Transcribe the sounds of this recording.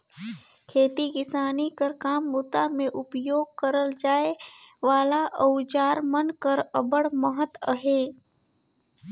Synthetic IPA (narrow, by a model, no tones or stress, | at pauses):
kʰeːt̪ikɪsaːnikəɾkaːmːʊt̪amẽʔʊpjoːɡ̚kəɾəld͡ʒaːeʋaːlaʔəwd͡ʒaːɾmənkəɾəbəɽməɦət̪əɦeː